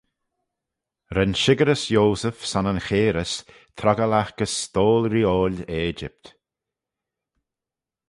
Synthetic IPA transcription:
ɾɛnʃɪɡəɾəsjoːsəfsanənxeːɾəs | t̪ʰɾaɡəlaxkəsːt̪oːlɾioːleːd͡ʒɪ̰p̚t̪

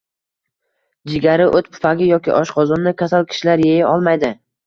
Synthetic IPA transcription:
d͡ʒɪɡʲaɾɪʔot̪pʰʊ̥paɡʲɪjɒkʲɪ̰ʔɒʃqʰɒzɒnːɪkʲʰasalkʲʰɪ̥ʃɪlaɾjejaɒlˠmajd̪ɪ

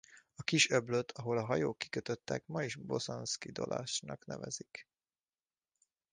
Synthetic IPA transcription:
ɒkiʃøbløt̪ʰɒɦo̞lɒɦɒjoːkːi̥køt̪øt̪ːɛkmɒiʒbo̞zonskid̪o̞̰lʔa̰ːʃnɒknɛvɛzik

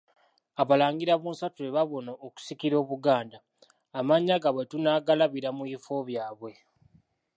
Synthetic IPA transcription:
aβalaːŋɡiɾaβuːnsatueβaβo̞naoku̥sikiɾo̞ːβuɡaːndaː | maɲːaɡaβwetunaːɡalaβiɾamuifo̞βjaːβwe̞

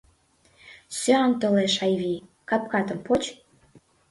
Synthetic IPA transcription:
søɑnt̪oleʃɑjβi | kɑp̚kɑt̪ə̆mpot͡ɕ

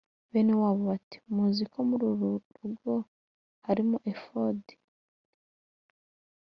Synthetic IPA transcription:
βenewaβuβati̥muzikomuɾuɾuɾuɡo | haɾimuʔefodi̥

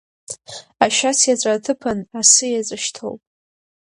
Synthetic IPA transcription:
aʃᶣasjat͡sʷʼatʰɨpʰanasɨjazʼɨʃtʰo̰wpʼ

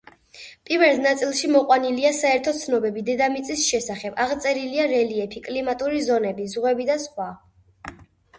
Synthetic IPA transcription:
pʼivɛld̪nat̪sʼilˠʃimɔqʼwaniliasaɛɾt̪ʰɔt̪sʰnɔbɛbid̪ɛd̪amit̪sʼisʃɛsaχɛbaʁt̪sʼɛɾiliaɾɛliɛpʰikʼlimat̪ʼuɾizɔnɛbizʁwɛbid̪asχwa

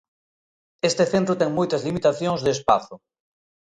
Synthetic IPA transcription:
est̪eθent̪ɾʊt̪ɛŋmojt̪ɐzlimit̪aθjoŋzðespaθʊ

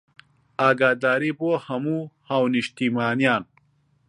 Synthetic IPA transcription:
aːɡaːd̪aːɾiboːhɐmuːhaːwniʃt̪imaːnijaːn

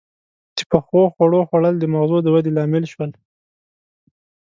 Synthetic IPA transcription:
t͡ʃe̥pəxoxwaɽoxwaɽəld̪əmaɣzod̪əwad̪elɑmɪlʃwəl

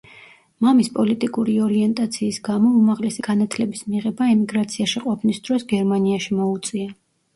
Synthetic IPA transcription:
mamispʼɔlit̪ʼikʼuɾiɔɾiɛnt̪ʼat̪sʰiːsɡamɔumaʁlɛsiɡ̥anat̪ʰlɛbismiʁɛbaɛmiɡɾat̪sʰiaʃiqʼɔpʰnisd̪̥ɾɔsɡɛɾmaniaʃimɔut̪sʼia

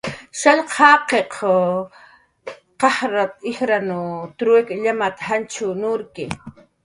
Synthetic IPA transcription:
ʃaʎqʰɑːqeqʰ | qɑhɾat̪̚ɪhɾanʊt̪ɾʊekʎamat̪hant͡ʃʊnʊɾkɪ

